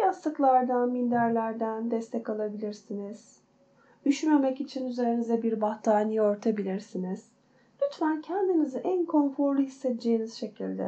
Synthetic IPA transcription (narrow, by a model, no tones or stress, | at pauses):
jast̪ɯklˠaɾd̪anmind̪æɾlʲæɾd̪ænd̪ɛst̪ʰɛkalˠabilʲiɾsiniz̥ | d̪yʃynme̞mɛcit͡ʃʰinyze̞ɾinizɛbiɾbaht̪ʰaːnijo̞ɾt̪ʰabilʲiɾsiniz̥ | lʲyt̪mæncʰænd̪inizɛʔænkʰo̞nfo̞ɾlˠuhisːɛt̪d͡ʒe̞jiniz̥ʃe̞cʰilʲd̪ɛ̰